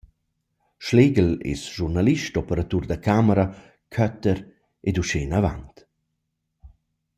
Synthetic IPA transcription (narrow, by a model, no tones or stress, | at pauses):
ʃleɡəlḛsʒurnaliʃtɔpəɾat̪urd̪əkʰaməɾa | kʰœt̪əɾ | ed̪uʃenavant̪